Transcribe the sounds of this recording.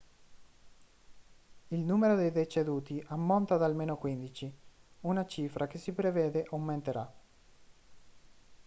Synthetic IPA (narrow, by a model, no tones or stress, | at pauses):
ilnuːmeɾod̪ejd̪et͡ʃed̪uːt̪iʔamːont̪ad̪almeːnokwind̪it͡ʃiunat͡ʃiːfɾʔak̟esːipɾeveːd̪eʔomːent̪eɾa